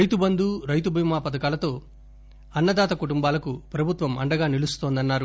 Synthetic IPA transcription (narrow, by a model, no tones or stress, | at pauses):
ɾɐjt̪ubɐnd̪uɾɐjt̪ubʱimaːpɐd̪ɐkaːlɐt̪o̞ː | ɐnːɐd̪aːt̪ɐkuʈumbaːlɐkupɾɐbʱut̪ʋɐmɐɳɖɐɡaːnilust̪oːnd̪ɐnːaːɾu